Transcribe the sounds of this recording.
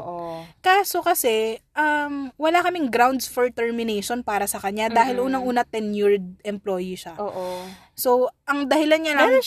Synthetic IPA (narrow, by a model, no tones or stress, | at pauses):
ʔokaːso̞kɐsɛʔɐmwɐlakɐmɪŋɡɾawnd̪sfoɹt̪ɛɹmɪnɛjʃonpaːɾɐsɐkɐɲad̪aːhɪlʔuːnɐŋʔuːnɐt̪ɛnjiɹd̪̚ɛmploːjiʃaʔoʔo | soʔɐŋd̪ɐhɪlanɲɐlɐŋ